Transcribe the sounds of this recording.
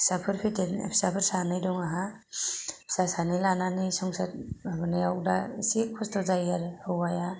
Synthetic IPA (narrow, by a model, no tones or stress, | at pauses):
sapʰɯɾpʰiteḛpʰsapʰɯɾsanɯjdɔŋaɦa | pʰsasanɯjlananisɔŋsat̚abɯnajawda̰sipʰɔstʰɔzajaɾhɯwwaja